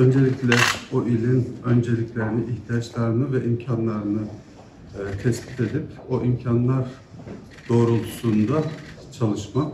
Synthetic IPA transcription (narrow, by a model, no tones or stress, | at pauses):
ø̞nd͡ʒe̞lʲiclʲɛboʔilʲinø̞nd͡ʒe̞lʲiclʲe̞ɾiniʔːçt̪ʰijat͡ʃlˠaɾɯnɯvɛʔimcʰanlˠaɾɯnɯ | t̪ʰɛscʲit̪ʰe̞d̪ipoʔimcʰanlˠaɾ | d̪̥o̞ːɾulˠʰu̥suːnd̪a | t͡ʃʰalˠɯʃma